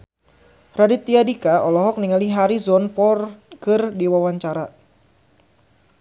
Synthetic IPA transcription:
radit̪ːiadikaɔlɔɦɔk̚niŋaliɦaɾizɔnpɔrkɨrdiwawaɲt͡ʃaɾa

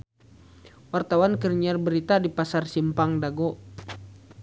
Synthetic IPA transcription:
wart̪awankərɲiarbəɾit̪adipasarsimpaŋdaɡɔ

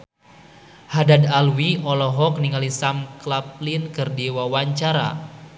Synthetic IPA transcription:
hadadalwiʔɔlɔɦɔk̚niŋalisamklap̚linkərdiwawaɲt͡ʃaɾa̰

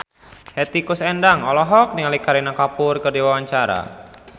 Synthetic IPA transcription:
hɛt̪ikusɛndaŋɔlɔɦɔk̚niŋalikaɾinakapʊrkərdiwawaɲt͡ʃaɾa̰

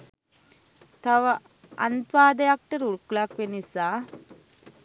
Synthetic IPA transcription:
t̪ɐʋɐ | ɐ̰nt̪ʋaːd̪ɐjak̚ʈɐɾuɭklaːkʋenisaː

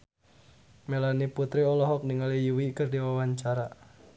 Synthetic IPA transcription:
melaniput̪ɾiɔlɔɦɔk̚niŋalijuwikərdiwawaɲt͡ʃaɾa

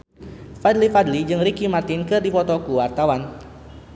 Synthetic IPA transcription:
fadlifadlid͡ʒɨŋrikimart̪inkɨrdifɔt̪ɔkuwart̪awan

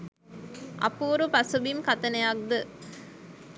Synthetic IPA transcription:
ʔɐ̰puːɾupɐsubimkɐt̪ɐnɐjak̚d̪ɨ

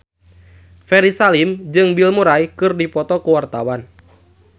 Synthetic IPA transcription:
fɛɾisalimd͡ʒɨŋbilmuɾajkɨrdipɔt̪ɔkuwart̪awan

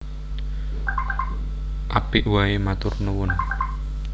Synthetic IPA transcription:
ʔapɪʔwaemat̪ʊrnəwʊn

